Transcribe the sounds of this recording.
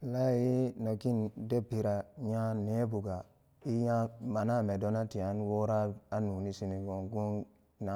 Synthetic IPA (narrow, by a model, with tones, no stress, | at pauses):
la˦ji˦no˨ki˦nde˦pi˨ɾa˨ɲa˦ne˦bu˨ɡa˨ | i˦ja˦ma˨na˦˨me˨do˦na˦ti˨a˨˦nwo˦ɾa˦a˦nu˨ni˦si˦ni˨ɡo˨ŋɡu˦n | na˨